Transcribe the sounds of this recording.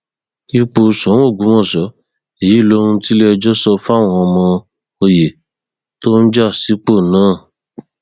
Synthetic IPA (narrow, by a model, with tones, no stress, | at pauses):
i˧k͡po˧sɔ̃˨˦o˦˨ɡũ˨˦mɔ̃˦˨sɔ˨˦ | e˨ji˨˦i˦˨lo˧˦ɾũ˧ti˦lɛ˦˧d͡ʒɔ˦sɔ˧fa˦˨w̃ɔ̃˧ɔ˧mɔ̃˧ | o˧je˨ | to˦n̩˦d͡ʒa˦˨si˨˦k͡po˦˨nãː˦˨